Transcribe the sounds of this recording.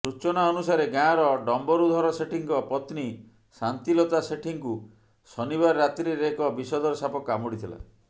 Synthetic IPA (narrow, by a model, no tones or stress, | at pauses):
sut͡ʃɔnaɔnusaɾeɡãɾɔɖɔmbɔɾud̪ʱɔɾɔseʈʰiŋkɔpɔt̪ni | sant̪ilɔt̪aseʈʰiŋku | sɔniβaɾːat̪ɾiɾekɔbisɔd̪ɔɾɔsapɔkamɔɽit̪ʰila̰